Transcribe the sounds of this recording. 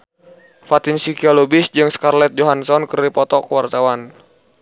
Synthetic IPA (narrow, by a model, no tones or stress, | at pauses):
fat̪insikialɔbisd͡ʒɨŋskarlɛt̪̚d͡ʒɔɦansɔnkəripɔt̪ɔkəwart̪awan